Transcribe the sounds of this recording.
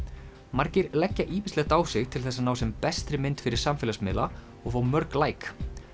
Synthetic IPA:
maɾcɪɾlɛcːaʔiːmɪstlɛɣt̪aːwsɪɣt̪ʰɪlθɛsanaːwsɛmpɛst̪ɾɪmɪnt̪fɪɾɪɾ̥samfɪlasmɪ̰ːla | ɔɣfaːwmœɾklaːjk

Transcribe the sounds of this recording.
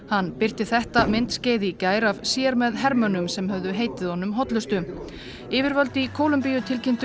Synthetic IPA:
hanːpɪr̥t̪ɪθɛht̪amɪnt̪sceːðicaːjɾavsjɛɾmɛðɦɛɾmœnʏmsɛmɦœvðʏɦeːjt̪ɪðhɔnʏmɦɔt̪lʏst̪ʏ | ɪːvɪɾvœlt̪ikʰoːwlʏmpijʏt̪ʰɪlcʰɪnt̪

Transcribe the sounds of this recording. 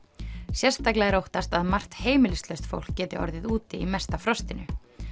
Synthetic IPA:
sjɛrst̪aklɛɣɛɾowht̪ast̪aðmar̥t̪heːjmɪlɪst̪lœɥst̪fo̰wl̥kːɛːt̪ɪ̰ʔɔ̰ɾðɪðuːt̪ɪimɛst̪afɾɔst̪ɪnʏ̰

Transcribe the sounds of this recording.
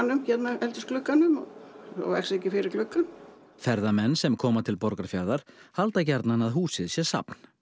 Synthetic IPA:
nːʏmçɛt̪naɛlt̪ʏsklʏkːanʏmɔ̰ɔ̰ɣvɛ̰xsɛhcɪfɪɾɪɾklʏkːʏm | fɛɾðamɛnːsɛmkʰɔːmat̪ʰɪlpɔɾkaɾ̥fjaɾðaɾ̥halt̪acɛɾt̪nanaðɦuːsɪðsjɛsa̰pn̥

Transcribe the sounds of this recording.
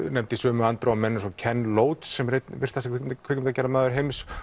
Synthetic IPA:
nɛmt̪ɪisvœːmʏant̪ɾawamɛnːʏsɔcʰɛnːloːwt̪sːɛmret̪vɪr̥t̪θasakʰɪkʰɪcʏmt̪acɛːɾamɛaːðʏɾɦejms

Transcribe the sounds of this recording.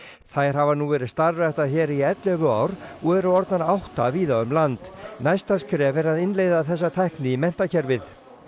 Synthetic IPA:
θajɾ̥avanuvɛːɾɪðst̪aɾvɛht̪açɛːɾiɛt̪lɛvʏa̰wɾɔɣɛɾʏɔɾt̪naɾawht̪aviːðaʏmlant̪najst̪askɾɛːvɛɾaðɪnlejðaθɛs̬ːat̪ʰahknɪimɛn̥t̪acʰɛɾvɪð

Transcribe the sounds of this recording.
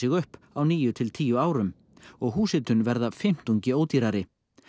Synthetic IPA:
ɪɣʏhpawniːjʏt̪ʰɪlt̪ʰiːjʏaːwɾʏm | ɔɣɦuːsɪt̪ʏnvɛɾðafɪm̥t̪uɲcɪoːwt̪iɾaɾɪ

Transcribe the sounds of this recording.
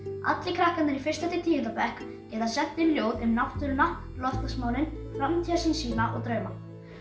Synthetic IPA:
a̰t̪lɪkʰɾahkanɪɾifɪr̥st̪at̪ɪt̪ʰiːjɪt̪apɛhk | cɛːt̪asɛn̥t̪ːɪljoːwðʏmnapt̪ʏɾʏna | lɔft̪asmaːwnɪnfɾamt̪ʰiasinsiːnaʔɔ̰ɣt̪ɾœːma

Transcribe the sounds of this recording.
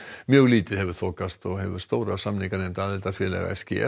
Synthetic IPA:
mjœːɣliːt̪ɪhɛvʏɾθoːkast̪ɔɦɛvʏ̥st̪oːwɾasamnɪŋkaɾɛmt̪aaðɛlt̪afjɛɾlɛ̰ɣa̰ɛscɪ̰ɛ̰

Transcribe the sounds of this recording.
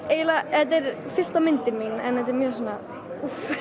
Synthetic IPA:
ejlahɛt̪ːɛɾ | fɪr̥st̪amɪnt̪ɪminɛ̰nhɛt̪̬ːɛɾmjœːsɔnːa | uf

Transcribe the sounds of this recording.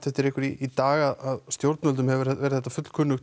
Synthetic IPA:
t̪θɛht̪ɪɾehkʏɾiit̪aːɣaðaðst̪jowɾt̪nœlt̪̬ʏmhɛvʏɾɛɛɾɪθɛt̪afʏt̪l̥kʰʏnːʏx

